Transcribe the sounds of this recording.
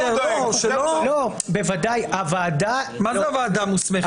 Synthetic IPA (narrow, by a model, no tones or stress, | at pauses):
oʃelolo | bevad̪ajavaːd̪amazɛavaːd̪amusmeχ